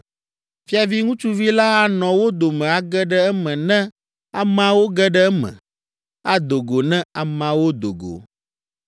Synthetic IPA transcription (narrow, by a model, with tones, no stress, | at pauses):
fi˦a˨vi˦ŋũ˦t͡ʃu˦vi˦la˦a˦nɔ̃˨wo˦d̪o˨mɛ̃˨a˦ɡɛ˦ɖɛ˦ɛ˦mɛ̃˨nɛ̃˦ | a˨mã˨wo˦ɡɛ˦ɖɛ˦ɛ˦mɛ̰̃˨ | a˦d̪o˨ɡo˨nɛ̃˦a˨mã˨wo˦d̪o̰˨ɡo̰˨